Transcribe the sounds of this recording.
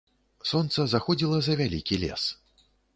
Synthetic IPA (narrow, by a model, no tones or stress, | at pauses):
sɔnt̪sɐzaxɔd͡zʲilˠɐzɐvʲalʲikʲilʲɛ̰s